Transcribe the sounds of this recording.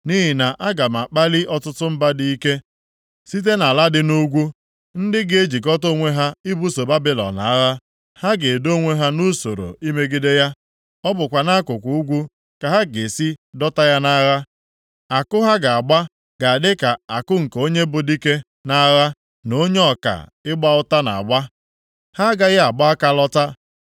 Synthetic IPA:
ni˦ɦi˨na˨ʔa˦ɡa˨m˨a˨k͡pa˦li˦ʔɔ˦tʊ˦tʊ˦m̩˦ba˦di˦i˦ke˦ | si˦t̬e˦na˨la˦dɪ˦nu˦ɡʷu˦ | n̩˦dɪ˦ɡe˦d͡ʒi˨kɔ˦to˦ŋʷe˦ɦa˦i˦bu˦so˨ba˦bɪ˦lɔ̰˨na̰˨a˦ɣa˦ | ha˦ɡe˨do˦ŋʷe˦ɦa˦nu˦so̰˨ɾo̰˨i˦me˦ɡɪ˦de˦ja˦ | ɔ˦bʊ˨kʷa˨na˦kʊ˨kʷu˨u˦ɡʷu˦ | ka˨ɦa˦ɡe˨si˦dɔ˦ta˦ja˦na˦ɣa˦ | a˨kʊ˦ɦa˦ɡa˨a˨ɡ͡ba˦ | ɡ̥a˨a˨dɪ˦ka˨a˨kʊ˦ŋ̩˨ko˦ɲe˦bʊ˨di˦ke˦ | na˦ɣa˦ | no˦ɲe˦ɔ˨ka̰˨ɪ˦ɡ͡ba˦ʊ˦ta˦na̰˨a̰˨ɡ͡ba˦ | ha˦ɡa˨ɣɪ˦a˨ɡ͡ba˦a˦ka˦lɔ˦ta˦

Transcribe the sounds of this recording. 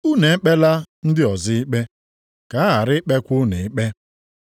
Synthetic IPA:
u˦ne˨˦k͡pe˦la˦n̩˦dɪ˦ɔ˨zɪ˦ɪ˦k͡pe˦ | ka˨˦a˦ɦa˨ɾɪ˦k͡pe˦kʷʊ˦ne˨ɪ˦k͡pe˦

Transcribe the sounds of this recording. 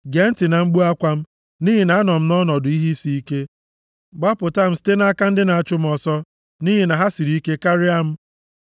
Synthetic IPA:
ɡe˨˦n̩˦tɪ˨na˨ŋ͡m̩˦ɡ͡bu˦a˦kʷa˦m̩˦ | ni˦ɦi˨na˨a˦nɔ˨m̩˦nɔ˦nɔ˨dʊ˨˦i˦ɦi˦si˦i˦ke˦ | ɡ͡ba˦pʊ˨ta˦m̩˦si̥˦te˦na˦a˦ka˦n̩˦dɪ˦na˨a˨t͡ʃʊ˦m̩˦ɔ˨sɔ˦ | ni˦ɦi˨na˨ɦa˦si˨ɾi˦ke˦ka˦ɾi˦a˦m̩˦

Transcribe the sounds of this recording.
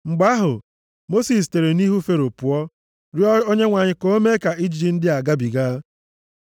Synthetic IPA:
ŋ͡m̩˨ɡ͡ba˦ɦʊ̰˨ | mo˦si˨s̬te˨ɾe˨ni˦ɦu˦fe˦ɾo˨pu˨ɔ˦ | ɾjo˦ɲe˦ŋʷa˨ɲɪ˨ko˦me˦ka˨i˦d͡ʒi˨d͡ʒi˨˦n̩˦dɪ˦a˨ɡa˦bi˨ɡaː˦

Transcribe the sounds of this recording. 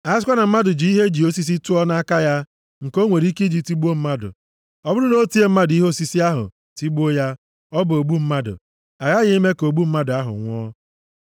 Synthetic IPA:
a˦skʷa˦na˨m̩˦ma˦dʊ˨d͡ʒi˨˦i˦ɦe˦d͡ʒi˨o˦si˦s̬i˦tu˦ɔ˦na˦a˦ka˦ja˦ | ŋ̩˨ko˦ŋʷe˨ɾi˦ki˦d͡ʒi˨ti˦ɡ͡bu˦o˦m̩˦ma˦dʊ̰˨ | ɔ˦bʊ˦ɾʊ˦no˦ti˦e˦m̩˦ma˦dʊ˨i˦ɦo˦˨si˦si˦a˦ɦʊ̰˨ | ti˦ɡ͡bo˦ja˦ | ɔ˦bʊ˨o˨ɡ͡bu˦m̩˦ma˦dʊ̰˨ | a˨ja˦ɣɪ˦i˦me˦ko˨ɡ͡bu˦m̩˦ma˦dʊ˨a˦ɦʊ̰˨ŋʷɔ˦

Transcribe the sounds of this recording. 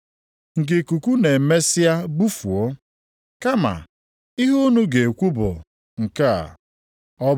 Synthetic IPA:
ŋ̩˨ɡɪ˨ku˨kʷu˦ne˨me˦si˦a˦bu˦fu˨o˦ | ka˦ma̰˨ | i˦ɦu˦nu˦ɡe˨kʷu˦bʊ̰˨ | ŋ̩˨ka˦a̰˨ | ɔ˦

